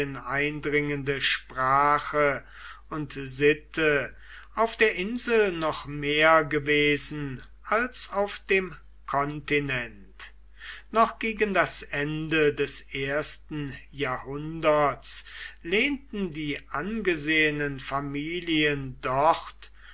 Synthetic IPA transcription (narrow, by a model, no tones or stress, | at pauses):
ənaɪndʁɪŋəndəʃpʁ̥aːχə | ʊntzɪtə | ʔaʊfd̥eːɐʔɪnzl̩nɔχmeːɐɡəveːzn̩ | ʔalsaʊfd̥eːm | kʰɔntinɛn | t | nɔχɡ̥eːɡəndasʔɛndədɛsʔeːɐstn̩jaːhʊndɐtsleːntn̩diːʔanɡəzeːənənfamiːliəndɔχt